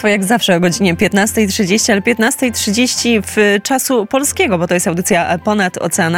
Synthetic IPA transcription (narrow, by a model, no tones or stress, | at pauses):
fɔjaɡzafʂɛɔɡɔd͡ʑiɲɛpʲjɛt̪nast̪ɛjtʂɘd͡ʑeɕt͡ɕialɛpʲjɛt̪nast̪ɛjtʂɘd͡ʑeɕt͡ɕift͡ʂasupɔlskʲɛɡɔbɔt̪ɔjɛst̪awd̪ɘt̪ʲjapɔnat̪ɔ̰t̪sɛana